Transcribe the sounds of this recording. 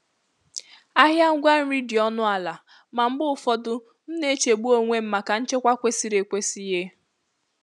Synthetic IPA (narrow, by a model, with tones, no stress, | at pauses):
a˦ɦja˦ŋ̩˦ɡʷa˦n̩˦ɾi˦di˨ɔ˦nʊ˦a˨la˨ | ma˨m̩˦bʊ˦fɔ˦dʊ˦ | m̩˦ne˦t͡ʃe˨ɡ͡bu˦o˦ŋʷe˦m̩˦ma˨ka˨n̩˦t͡ʃe˦kʷa˦kʷe˦si˦ɾe˨kʷe˦si˦ɦe˦